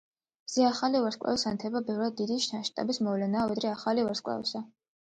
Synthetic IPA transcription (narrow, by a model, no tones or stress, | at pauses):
z̥ɛaχalivaɾskʼwɛ̰vsant̪ʰɛbabɛvɾad̪̚ːid̪iʃnaʃt̪ʼa̰bismɔvlɛnaːvɛd̪ɾɛaχalivaɾskʼwɛ̰vsa